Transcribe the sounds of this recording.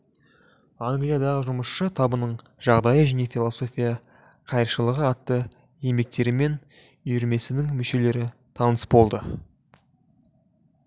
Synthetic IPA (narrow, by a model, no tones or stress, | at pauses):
aŋɡlijad̪ɑʁəʒʊməsʃət̪ʰɑbənəɴ | ʒ̥ɑʁd̪ɑjəʒæne̞fʲilˠoso̞fʲijɑ | qʰɑjəɾʃəlˠəʁəɑt̪ːə | je̞mbe̞k̚t̪e̞ɾɪme̞n | ʏjʏɾme̞sɪnɪŋmʏʃe̞le̞ɾɪ | t̪ʰɑnəsbo̞lˠd̪ə